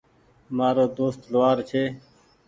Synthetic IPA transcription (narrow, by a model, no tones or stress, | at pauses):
maːɾoːd̪oːst̪lʋaːɾt͡ʃʰeː